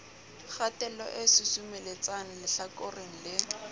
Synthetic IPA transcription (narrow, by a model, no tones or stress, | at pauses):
χatɛlɔ̰ʔesɪsumelet͡san̩lɪɬakorɪŋ̩lɪ